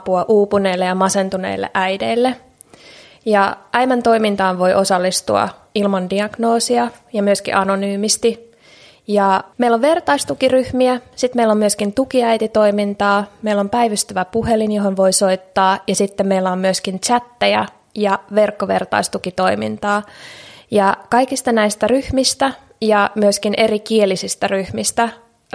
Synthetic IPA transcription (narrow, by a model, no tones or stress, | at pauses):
puɑʔuːpune̞ːlːejɑmɑse̞nt̪unḛilːḛʔæjdeilːe | jɑʔæjmænt̪o̞imint̪ɑːnʋo̞jʔo̞sɑlːist̪ṵɑ̰ | ilmɑndiɑɡ̥no̞ːsiɑjɑmyøskḭʔɑno̞nyːmist̪i | jɑmeilːoʋʋe̞rt̪ɑist̪ukiryhmiæsit̪meilːommyøskint̪ukiæijt̪it̪o̞imint̪ɑːmeilːo̞mpæiʋyst̪yʋæpuhelinjoɦonʋo̞iso̞it̪ːɑːjɑsit̪ːemmeilːæommyøskint͡ʃæt̪ːæjæ | jɑʋe̞rkːoʋḛrt̪ɑ̰ist̪ukit̪o̞imḭnt̪ɑː | jɑkɑikist̪ɑnæist̪æryhmist̪æ | jɑmyøskinʔe̞rikielisist̪æryhmist̪æ